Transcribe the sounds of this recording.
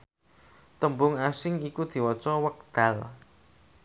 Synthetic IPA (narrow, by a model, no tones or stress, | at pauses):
t̪əmbʊŋasɪŋikud̪̥i̤wɔt͡ʃɔwək̚d̪̥a̤l